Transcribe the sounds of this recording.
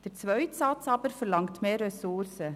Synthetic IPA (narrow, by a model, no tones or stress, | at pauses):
d̥əɾt͡svœʏtsɑt͡sɑːbəɾfəɾlɑŋktmeːrɛsʊɾsə